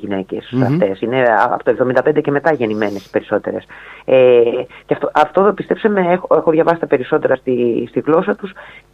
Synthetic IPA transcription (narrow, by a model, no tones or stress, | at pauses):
ʝine̞ce̞̰sɐft̪e̞sine̞ɐ̰pot̪oevðomind̪ɐpend̪ece̞me̞t̪ɐʝe̞nimene̞si̥pe̞ɾiso̞t̪e̞̰ɾe̞seceft̪oʔɐft̪o̞ðopist̪e̞psɐmeexoexoðʝɐvɐsi̥t̪ɐpe̞ɾiso̞t̪e̞ɾɐst̪ist̪iɣlo̞sɐt̪us